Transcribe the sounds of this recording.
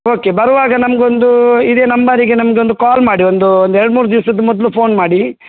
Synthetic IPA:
oːke̞bɐɾɐʋaːɡɐnɐmɐɡeond̪uid̪e̞ːnɐmbaːɾiɡenɐmɐɡeo̞nd̪ukaːlmaːɽiond̪uond̪ɛɾɐɽmuːɾud̪iʋɐsɐd̪ɐmɔd̪lupʰo̞ːnmaːɽi

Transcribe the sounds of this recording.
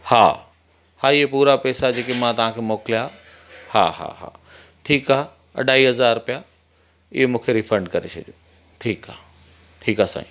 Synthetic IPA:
ha̰ː | haːɪɦepuːɾapɛːsad͡ʑeːkemãt̪ɐʋ̤ãkʰeːmoːkɪlija | ha̰ːɦa̰ɦa̰ː | ʈʰiːkaːe | ɐ̰ɖʱaːiɦɐzaːɾpija | ɪɦemũːkʰeɾifɾə̃ɳɖ̚kɐɾet͡ɕʰɐɗjoː | ʈʰiːkaː | ʈʰiːkaːsã̰ːĩ

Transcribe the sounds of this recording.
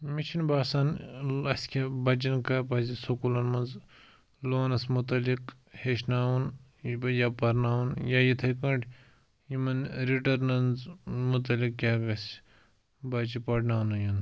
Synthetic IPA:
mit͡ʃʰinbaːsanɐskʰʲebɐt͡ʃ̬inkɐpɐzisokulɐnmɐnz | loːnɐsmut̪ɐlik | heʃnaːwunɐjaːpɐɾnaːunjajit̪ʰɐjkɐɳʈ | jimɐnɾiʈɐɾnɐnzmut̪ɐlik̚kʲaːkɐsʲ | bɐt͡ʃipɐʈnaːwnujun

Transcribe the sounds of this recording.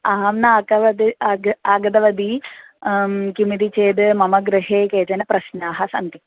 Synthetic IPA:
ɐɦɐmnɐaːkɐʋɐd̪iaːɡɐd̪ɐʋɐd̪i | kimid̪it͡ʃeːd̪mɐmɐɡɾɨɦeːkeːt͡ʃɐnɐpɾɐʃnaːɦɐsɐ̰nt̪i

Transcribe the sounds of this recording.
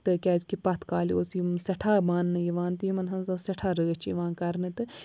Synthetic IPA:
t̪ɨkʲɛːzkipɐt̪ʰkaːlioːsisɐʈʰaːmaːnːɐjiʋãːnt̪ɨjimɐnɦɐnsasɐʈʰaːɾəːt͡ʃʰiiʋãːnkɐɾnɨt̪ɨ

